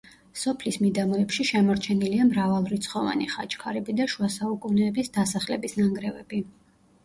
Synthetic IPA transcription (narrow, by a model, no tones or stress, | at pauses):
sɔpʰlismid̪amɔɛpʃiʃɛmɔɾt͡ʃʰɛniliamɾavalˠɾit̪sʰχɔva̰niχa̰t͡ʃʰʼkʰaɾɛbid̪aʃuasaukʼunɛːbisd̪asaχlɛbisnaŋɡɾɛvɛ̰bi